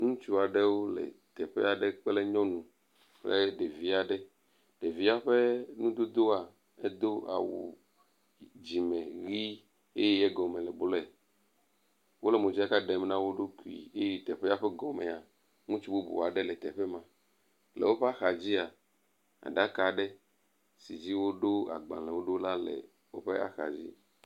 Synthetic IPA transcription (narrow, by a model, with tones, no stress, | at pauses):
ŋũ˦t͡ʃu˦a˨ɖe˦wo˦lɛ̰˨t̪ɛ˨ɸɛ̰˦a˨ɖɛ˦k͡ple˦ɲɔ̃˦nũ˨ | k͡ple˦ɖe˨vi˦a˨ɖɛ˦ | ɖ̥e˨vi˦a˦ɸe˦nũ˦d̪o˦d̪o˦a˨ | ɛ˦d̪o˦a̰˨wṵ˨ | d͡ʑi˨mɛ̃˨ɣi˦ | e˦jɛ˦jɛ˦ɡɔ˨mẽ˨lɛ˨blɛ˨ | wo˦lɛ˨mõ˨d͡ʒa˦ka˦ɖɛ˨m˦nã˦wo˦ɖo˦ku˨ḭ˨e˦je˦t̪ɛ˨ɸɛ˦a˦ɸɛ˦ɡɔ˨mɛ˨a˨ | ŋũ˦t͡ʃu˦bo˦bṵ˨a˨ɖɛ˦lɛ˨t̪ɛ˨ɸɛ˦mã˨ | lɛ̰˨wo˦ɸe˦a˦xa˨d͡ʑi˦a˨ | a̰˨ɖa˦ka˨ɖɛ˦ | si˨d͡ʑi˦wo˦ɖo˦a̰˨ɡ͡bã̰˨lɛ˨wo˦ɖo˦la˦lɛ̰˨ | wo˦ɸe˦a̰˦xa̰˨d͡ʑḭ˦